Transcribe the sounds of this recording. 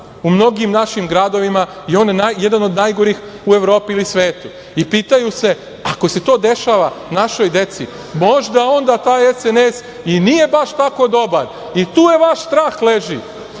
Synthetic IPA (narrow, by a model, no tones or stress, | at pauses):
umno̞ɡimnaʃimɡɾad̪o̞ʋima | io̞ːnjnaje̞d̪ano̞d̪najɡoɾiːxue̞ʋɾo̞ːpiilisʋe̞ːt̪u | ipiːt̪ajuse̞ | ako̞se̞t̪o̞ːd̪e̞ʃaːʋanaʃo̞jd̪e̞t̪sḭ | mo̞ʒd̪ao̞nd̪at̪aːjesenes | inije̞baʃt̪ako̞d̪o̞baɾ | it̪uːje̞ʋaʃst̪ɾaːxle̞ʒi